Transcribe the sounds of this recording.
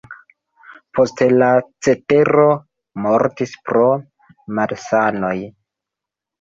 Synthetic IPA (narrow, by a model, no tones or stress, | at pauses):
pʰo̞stelat͡se̞te̞ɾo̞ | mo̞ɾtispɾo̞ | malsano̞j